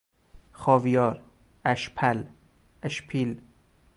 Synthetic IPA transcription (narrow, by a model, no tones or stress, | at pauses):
xɒːvijɒːɾ | æʃpʰæl | æʃpʰil